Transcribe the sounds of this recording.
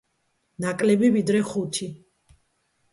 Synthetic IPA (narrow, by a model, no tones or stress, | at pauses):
nakʼlɛbivid̪ɾɛχut̪ʰi